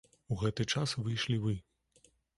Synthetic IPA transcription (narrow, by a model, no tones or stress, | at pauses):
uɣɛt̪ɨt͡ʂasvɨjʂlʲivɨ